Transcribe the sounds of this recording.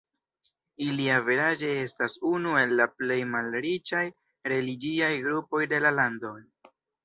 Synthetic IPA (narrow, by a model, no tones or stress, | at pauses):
iliaveɾad͡ʒe̞e̞stasunue̞lːaple̞jmalɾit͡ʃaj | ɾe̞liɡiajɡɾupo̞jde̞lalando̞